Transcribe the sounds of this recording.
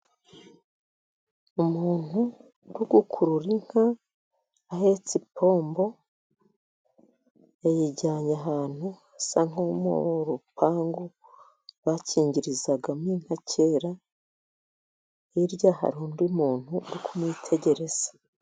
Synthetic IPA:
umuːn̥hu | ɾuɡukʰuɾuɾiŋ̥ha | aɦe̞t͡sipʰo̞ːmbo̞ | ajiɟaɲaɦaːn̥huasaŋomo̰ɾupaːŋɡo | βaciːɲɟiɾizaɡamiːn̥hacʰe̞ɾa | iɾɟaha̰ɾuːndimuːn̥huɾukumwiːtʰe̞ɟe̞ɾe̞z̥ḁ

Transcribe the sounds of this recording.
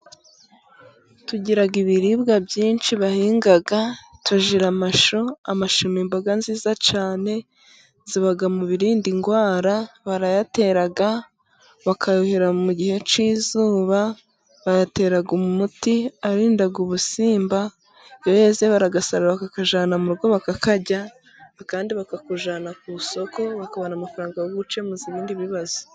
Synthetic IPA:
tuɟiɾaɡiβiɾibɡabjiːnt͡ʃiβahiːŋɡaɡatuʒiɾamaʃoamaʃumimbaɡanziːzat͡ʃaːne̞ | ziβaɡamuβiɾiːndiŋɡwaːɾaβaɾajate̞ɾaɡa | βakʰajoheɾamuɟihe̞t͡ʃiːzuːβa | βajate̞ːɾaɡumumutiaɾindaɡuβusiːmba | jojeːzeβaɾaɡasaɾaβakakaʒaːnamuɾuɡo̞βakakaɟa | kaːndiβakakuʒaːnakuso̞ko̞βakaβonamafaɾaːŋɡajoɡut͡ʃe̞muziβiːndiβiβazo̥

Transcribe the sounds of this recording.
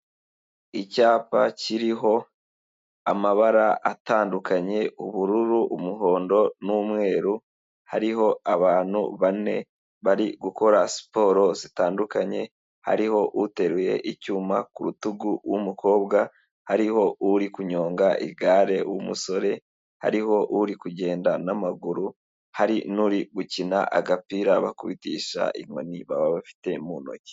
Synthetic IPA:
icaːpaciɾiɦo̞ | amaβaɾaʔataːndukaɲe̞uβuɾuɾuʔumuɦo̞ːndo̞nuːmŋe̞ːɾu | haɾiɦo̞aβaːn̥hṵβane̞̰ | βaɾiɡuko̞ɾasi̥po̞ːɾo̞zitaːndukaɲe̞ | ha̰ɾiho̞ʔute̞ɾuje̞̰ʔicuːmakuɾutuɡuwumukʰo̞ːbɡa | haɾiho̞uɾikuɲo̞ːŋɡaʔḭɡaːɾe̞wumuso̞ɾe̞ | ha̰ɾiho̞ʔuɾikuɟe̞ːndanamaɡuɾu | haɾinuɾiɡucina̰ʔaɡapiɾaβakuβitḭːʃa̰ʔḭŋo̞̰niβaβaβafi̥te̞muːno̞̰ce̥

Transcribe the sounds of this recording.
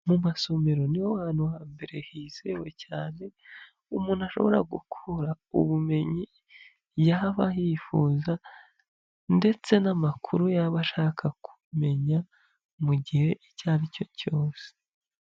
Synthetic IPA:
mumaso̞me̞ɾo̞niwowhaːnhuhaːmbe̞ɾe̞hiːzewe̞caːne̞ | umuːnaʃo̞̰βo̞ɾa̰ɡṵkʰuɾa | ṵβume̞ɲi | jaβahifuːza | nde̞t͡se̞namakʰuɾujaβaʃaːkʰakʰu̥me̞ɲa | muɟihe̞ʔicaːβico̞co̞ːse̥

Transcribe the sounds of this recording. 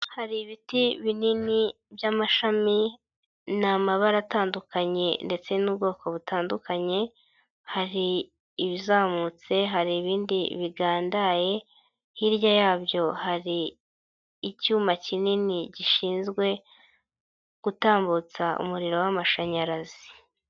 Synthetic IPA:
haɾiβitiβinini | bjamaʃami | namaβaɾataːndukaɲe̞nde̞t͡se̞nub̚ɡo̞ːko̞βutaːndukaɲe̞ | haɾiː | βizaːmut͡se̞ɦaɾiːβiːndiβiɡaːndaje̞ | hiɾjajaːbjo̞haɾiː | cuːmacininiɟiʃiːnzɡwe̞ | ɡ̥utaːmbut͡saʔṵmuɾiɾo̞wamaʃaɲaɾazi

